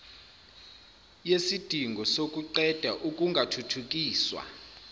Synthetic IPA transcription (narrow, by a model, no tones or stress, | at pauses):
jesid̥ʱiŋɡʱɔsok̬ʼuǃɛd̥ʱaʔukʼuŋɡʱatʰutʰuk̬ʼiːswa̰